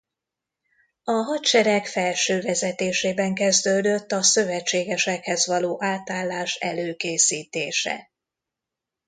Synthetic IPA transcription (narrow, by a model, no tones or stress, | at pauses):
ɒɦɒt̪ʃɛɾɛkfɛlʃøːvɛzɛt̪eːʃeːbɛŋkɛzd̪øːd̪ø̞t̪ːɒsøvɛt͡ʃːeːɡɛʃɛkhɛzvɒloːʔaːt̪aːlːaːʃɛ̰løːkeːsiːt̪eːʃɛ̰